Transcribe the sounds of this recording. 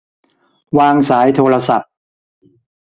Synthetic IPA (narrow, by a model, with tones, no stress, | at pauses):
waː˧ŋsaː˩˦jt̪ʰoː˧ɾa˧sa˨˩p̚